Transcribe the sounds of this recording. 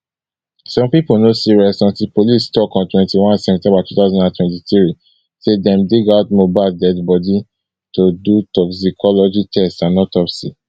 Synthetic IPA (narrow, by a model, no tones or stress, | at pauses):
sɔ̃mpiponosiɹiɔsɔ̃ntilpolistɔkɔ̃ntwɛ̃ntiwɔ̃nsɛvɛ̃ntɛ̃mbatutaʊzɔ̃ndãntwɛ̃ntiθɹi | sedɛ̃mdiɡaʊtmobaɪldɛdbɔdi | todutɔksikʰɔlɔd͡ʒitʰɛstãnːɔtɔfsi